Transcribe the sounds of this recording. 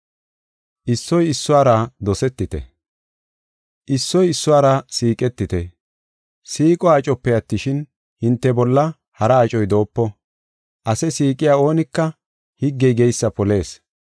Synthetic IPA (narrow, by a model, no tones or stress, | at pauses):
ʔɪsːɔjɪsːʊaːɾɐd̪ɔsɛt̪ːɪt̪ɛ̰ | ʔɪsːɔjɪsːʊwaːɾɐsiːkʼɛt̪ːɪt̪ɛ | siːkʼɔaːt͡ʃʼɔpːɛjɐt̪ːɪʃɪn | hɪnt̪ːɛbɔlːɐ | hɐɾɐːt͡ʃʼɔjd̪o̞ːpːɔ | ʔɐsɛsiːkʼɪjaːo̞ːnɪkːɐ | hɪɡːɛjɡɛjsːɐpɔle̞ːs